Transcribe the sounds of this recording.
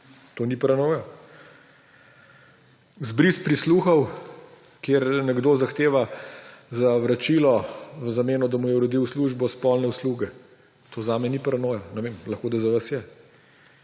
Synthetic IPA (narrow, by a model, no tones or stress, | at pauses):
t̪oːnipɾanoːjɔ | zbɾispɾisluːxɐw | kjeɾnɛɡd̪oːzaxt̪eːʋazaʋɾat͡ʃiːlɔʋəzameːnɔd̪amujɛuɾɔd̪iwsluːʒbɔspɔlnɛusluːɡɛ | t̪ʰoːzaːmɛnipɾanoːjanɛʋeːmlɐxkoːd̪azaʋasjɛ